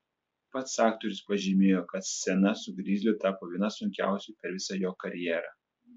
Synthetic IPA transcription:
pɐt̪sɑːk̚t̪ɔɾʲʊspɐʒʲɪmʲeːjoːkɐt̪sʲɛnɐsʊɡɾʲiːzʲlʲʊt̪ɑːpoːʋʲiɛnɐsʊŋʲkʲæ̰ˑʊsʲʊpʲɛɾʋʲɪsɑjoːkɐɾʲjɛːɾɑ̰ː

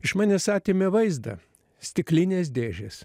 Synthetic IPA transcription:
ɪʃmɑːnʲeːsɑːt̪ʲeːmʲɛʋɐɪzd̪ɐ̰ | sʲt̪ʲɪklʲɪnʲeːsd̪ʲeːʒʲeːs

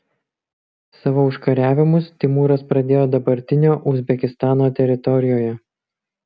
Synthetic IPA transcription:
sɑːʋoːʊʃkɐɾʲæːʋʲɪmʊst̪ʲɪmuːɾɐspɾɐd̪ʲeːjoːd̪ɐbɐɾʲt̪ʲɪnʲoːʔʊzʲbʲɛkʲɪst̪ɑːnoːt̪ʲɛɾʲɪt̪ɔɾʲɪjoːjɛ

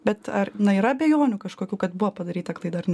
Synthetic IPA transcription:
bʲɛt̪ɐɾnɐiːɾɐbʲeːjoːnʲʊkɐʃkoːkʲuːkɐt̪buʋɐpɐd̪ɐɾʲiːt̪ɐklˠɐɪd̪ɐɾnʲ

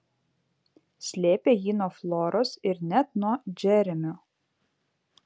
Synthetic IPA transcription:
sʲlʲeːpʲeːjiːnuɔflˠɔːɾoːsɪɾnʲɛt̪̚nuɔd͡ʒʲɛɾʲɪmʲʊ

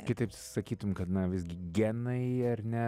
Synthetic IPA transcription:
kʲɪt̪ɐɪp | sɐkʲiːt̪ʊmkɐt̪nɐʋʲɪzʲɡʲɪɡʲænɐɪɐrnʲɛ

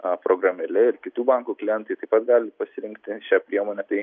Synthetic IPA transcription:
pɾoɡɾɐmʲɛlʲɛɪɾkʲɪt̪uːbɑŋkuːkʲlʲɪjɛnt̪ʊjt̪ɐɪpɐt̪ɡɑːlʲɪpɐsʲɪɾʲɪŋkt̪ʲɪʃʲɛpʲɾʲiɛmoːnʲɛt̪ɐɪ

